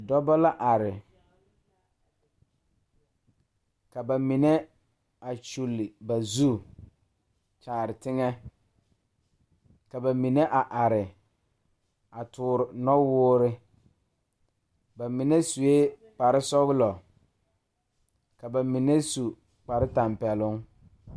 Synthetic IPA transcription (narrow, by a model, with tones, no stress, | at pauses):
dɔ˦bɔ˦la˦ʔa˨ɾɪ˨ | ka˨ba˨mi˨nɛ˦ | a˨t͡ʃu˨lɪ˨ba˨zu˦ | t͡ʃaː˨ɾɪ˨tɪ˦ŋɛ˦ | ka˨ba˨mi˨ne˦ʔa˨ʔa˨ɾɪ˨ | a˨tʰʊː˨ɾʊ˨nɔ˦wʊː˦ɾɪ˦ | ba˨mɪ˨nɛ˦su˨e˦k͡pa˨ɾɪ˦sɔ˦ɣlɔ˨ | ka˨ba˨mi˨ne˦su˨ | k͡pa˨ɾɪ˦ta˨mpɛ˨lʊ˦ŋ